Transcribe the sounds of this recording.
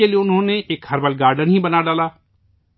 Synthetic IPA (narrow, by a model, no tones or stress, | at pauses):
eliʊnɦõːneːʔɪkhəɾbəlɡaːɾɖənɦĩːbənaːɖaːlaː